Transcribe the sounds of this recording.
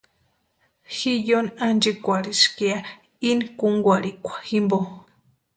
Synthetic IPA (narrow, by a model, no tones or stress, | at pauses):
xijonand͡ʒikʷaɾiskia | inkuŋɡʷaɾikʷḁximbo